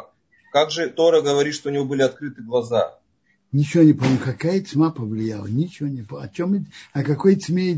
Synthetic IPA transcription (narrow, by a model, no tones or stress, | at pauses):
kaɡʐɨt̪oɾəɡəvɐɾʲit̪ʂt̪oʊnʲɪvobɨlʲɪɐt̪̚kɾɨt̪ɨɡlˠɐza̰ | nʲɪt͡ɕɪvonʲɪpɐmmkɐkajət͡sʲmapəvlʲɪjalˠənʲɪt͡ɕɪvonʲɪpɐ̰t͡ɕomɐkɐkoj̪sʲmʲe